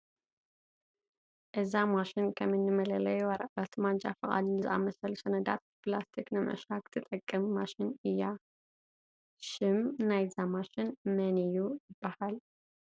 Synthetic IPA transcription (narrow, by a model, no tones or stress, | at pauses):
ʔɨzamaʃɪnkʰɐmɨnːɨmɐlɐlɐjwɐɾɐʔɐt̪mand͡ʒafɨχʼa̰d̪nɨzɨʔa̰mɐsɐlusɐnɐd̪a̰t̪̚plast̪ʰiknɨmʕɨ̰ʃakʰɨ̥t̪ʰːɨt̪ʼɐkʼːɐmːaʃɪnɨjːa | ʃɪmnajzamaʃɪnmɐnijujɪb̥ːahal